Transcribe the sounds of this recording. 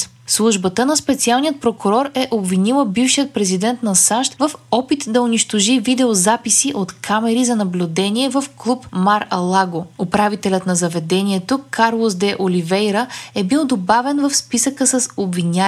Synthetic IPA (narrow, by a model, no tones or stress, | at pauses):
slˠuʒbət̪ənɐspɛt̪sialˠnijət̪̚pɾokʊɾɔɾɛʔobvinilˠəbifʃijət̪̚pɾɛzid̪ɛnt̪nɐsaʃt̪vəfɔpit̪d̪ɐʊniʃt̪oʒivid̪ɛozapisiʔot̪kʰamɛɾizɐnɐblʲud̪ɛniɛvəfklˠupmaɾɐlˠaɡoopɾavit̪ɛlʲət̪nɐzɐvɛd̪ɛniɛt̪okʰaɾlˠozd̪ɛʔolivɛjɾəɛbilˠd̪obavɛnvəfspisəkəsɐsobvinʲa